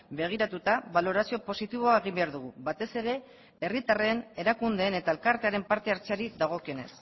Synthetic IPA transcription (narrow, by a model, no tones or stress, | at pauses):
be̞ɣ̞iɾat̪ut̪aβalo̞ɾasio̞po̞sit̪iβ̞o̞aeɣ̞imbe̞aɾðuɣ̞uβat̪e̞se̞ɾe̞ | e̞rit̪are̞ne̞ɾakund̪e̞ːne̞t̪aelkaɾt̪e̞aɾe̞mpaɾt̪e̞aɾt͡seaɾiðaɣ̞o̞kio̞ne̞̰s